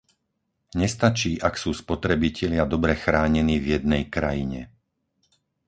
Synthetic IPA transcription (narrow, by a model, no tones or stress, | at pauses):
ɲɛst̪at͡ʃiːʔaksuːspɔt̪ɾɛbicɛʎɪad̪ɔbɾɛxɾaːɲɛniːvjɛd̪̚nɛjkɾajiɲɛ̰